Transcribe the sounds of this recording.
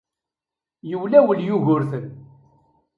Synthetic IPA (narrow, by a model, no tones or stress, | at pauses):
jəwlæwəljuʝʊɾθən